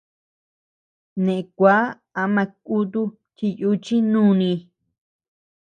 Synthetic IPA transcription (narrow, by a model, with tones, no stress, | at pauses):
nẽ˨ẽ˧kʷa˨˦ | a˧˦mã˧k̚u˦t̪u˦ | ti˧ju˦t͡ʃi˦nũː˦˧nĩ˧